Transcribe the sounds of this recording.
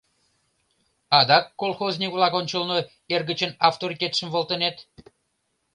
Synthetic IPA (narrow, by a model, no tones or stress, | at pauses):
ɑd̪ɑkːolˠxozʲnʲikvlˠɑkonʲt͡ɕəlno | erɣət͡ɕənɑft̪oɾit̪ʲet̪ʃəmvolˠt̪ənet̪